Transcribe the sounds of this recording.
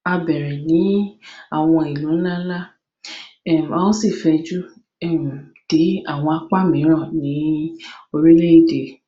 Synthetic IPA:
a˧bɛ˨ɾɛ˨nĩ˨˦a˦˨w̃ɔ̃˧i˨lũ˨˦ñ̩˦la˦la˦ | ɛ˦˨m˨a˧wɔ̃˦si˦˨fɛ˧d͡ʒu˦ | ɛ˦˨m̩˨d̥i˨˦a˦˨w̃ɔ̃˧a˧k͡pa˦mĩ˨˦ɾ̃ɔ̃˦˨nĩ˨˦o˧ɾi˦le˦i˦˨de˨

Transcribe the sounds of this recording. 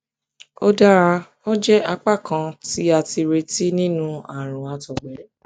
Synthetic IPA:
o˦da˦ɾa˧ | o˦d͡ʒɛ˦a˧k͡pa˦˨kã˧ti˦a˧ti˧ɾe˧ti˦nĩ˦nũ˦a˨ɾ̃ũ˨a˧tɔ˨ɡ͡bɛ˨ɾ

